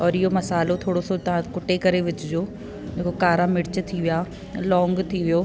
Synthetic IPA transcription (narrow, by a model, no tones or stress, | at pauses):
ɔːɾɪɦomɐsaːlot̪ʰoːɽosot̪ɐʋ̤ãkʊʈekɐɾeʋɪd͡ʑɪd͡ʑoː | d͡ʑeːkokaːɾãmɪɽɪt͡ɕt̪ʰiʋija | lɔ̃ːŋɡt̪ʰiʋijoː